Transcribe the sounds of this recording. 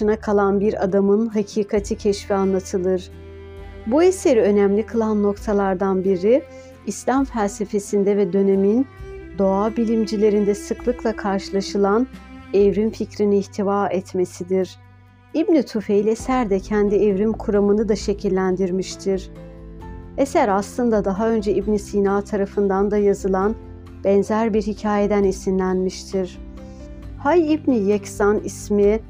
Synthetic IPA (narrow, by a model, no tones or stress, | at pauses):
ɯnakʰalˠanbiɾa̰d̪amɯnɦacʰiːkʰat̪ʰɯcʰɛʃfianlˠat̪ʰɯlˠɯɾ̥ | buese̞ɾiø̞næmlʲikʰɯlˠanːo̞kt̪ʰalˠaɾd̪anbiɾiː | slʲamfælʲse̞fe̞sind̪ɛvɛd̪ø̞ne̞mind̪o̞abilʲimd͡ʒilʲe̞ɾind̪ɛsɯklˠɯklˠakʰaɾʃɯlˠaʃɯlˠanɛvɾinficɾiniːçt̪ʰivaːɛt̪me̞sid̪iɾ̥ | ibnit̪ʰufejlʲesæɾd̪ɛcʰænd̪iɛvɾimkʰuɾamɯnɯd̪aʃe̞cʰilʲːænd̪iɾmiʃt̪ʰiɾ̥ | ɛsæɾaslˠɯnd̪ad̪aɦaø̞nd͡ʒɛibnisiːnaːt̪ʰaɾafɯnd̪and̪ajazɯlˠan | b̥ɛnzæɾbiɾhicʰaːje̞d̪ænisinlʲænmiʃt̪ʰiɾ̥ | hajibnijecsanismi